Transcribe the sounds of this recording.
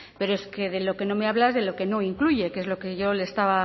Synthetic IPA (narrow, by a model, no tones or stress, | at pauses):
pe̞ɾoeske̞ðe̞lo̞ke̞no̞me̞aβlazðe̞lo̞ke̞no̞iŋkluʝe̞keezlo̞keʝo̞lest̪aβa